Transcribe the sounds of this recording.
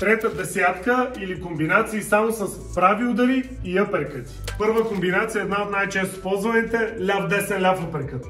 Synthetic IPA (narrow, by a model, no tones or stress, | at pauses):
t̪ɾɛt̪əd̪ɛsʲjat̪kəilikombinat̪siːsamosɐspɾavilˠd̪ɐɾiːəpɛɾkət̪i̥pɤɾvəkombinat̪sijɐɛːd̪naot̪najt͡ʃɛst̪ʊ̥ospɔlˠzvɐnit̪ɛlʲafd̪ɛsɛlʲafəpɛɾkət̪